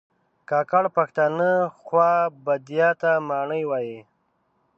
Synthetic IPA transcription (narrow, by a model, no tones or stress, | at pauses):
kɑːkaɽpaxt̪anəxwɑbad̪ijɑt̪amɑːɳəjwaːji